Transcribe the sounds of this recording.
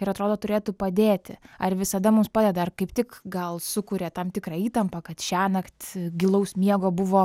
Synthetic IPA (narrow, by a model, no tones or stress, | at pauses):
ɪɾɐt̪ɾoːd̪oːt̪ʊɾʲeːt̪upɐd̪ʲeːt̪ʲɪɐrʋʲɪsɐd̪ɐmʊmspɑːd̪ʲɛd̪ɐɐrkɐɪpt̪ʲɪkɡɐlˠsʊkʊɾʲeːt̪ɐmt̪ʲɪkɾɑːiːt̪ɐmpɐkɐt̪ʃʲæːnɐkt̪ʲɡʲɪlˠɐʊsʲmʲiɛɡoːbʊʋoː